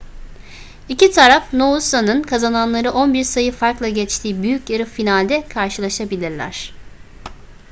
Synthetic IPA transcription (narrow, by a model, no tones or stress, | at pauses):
icit̪ʰaɾafnousanɯnkʰazananlˠaɾɯʔonbiɾsajɯfaɾklˠaɟɛt͡ʃt̪ʰiːbyjycjeɾɯfinalʲd̪ɛkʰaɾʃɯlˠaʃabilʲiɾlʲæ̰ɾ̝̥